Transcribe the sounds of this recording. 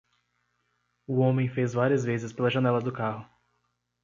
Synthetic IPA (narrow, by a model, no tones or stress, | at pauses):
ʊõmẽj̃fezvaɾiɐzvezɪspelɐʒɐnɛlɐd̪ʊkahʊ